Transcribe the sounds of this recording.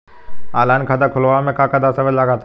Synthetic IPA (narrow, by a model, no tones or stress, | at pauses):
aːlaːnkʰaːd̪akʰʊlʋamẽkakəd̪asəʋəlaɡat̪ʰ